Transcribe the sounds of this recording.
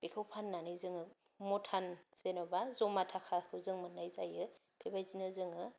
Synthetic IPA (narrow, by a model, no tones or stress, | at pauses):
b̥ekʰawpʰanːanɯjzɯŋɯ | mɔtʰanzenɔbazɔmatʰakʰakʰɯwzɯŋmɯnːajzajɯ | pʰebajzinɯzɯŋɯ